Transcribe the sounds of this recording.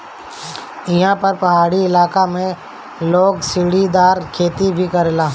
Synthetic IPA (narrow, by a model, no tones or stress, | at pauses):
ɪɦãpɐɾpɐɦaːɽiɪlaːkamẽ | loːɡsɪɽid̪aːɾkʰeːt̪ibʱikɐɾlaː